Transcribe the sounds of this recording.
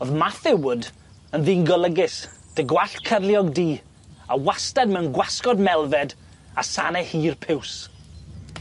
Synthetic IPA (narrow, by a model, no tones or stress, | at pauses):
oðmaθɪwʊd | ənðiːnɡɔlˠəɡɪs | d̥əɡwaɬtkʰərljɔɡdiː | awastadmɛwnɡwaskɔdmɛlˠvɛd | asanɛhiːrpʰɪws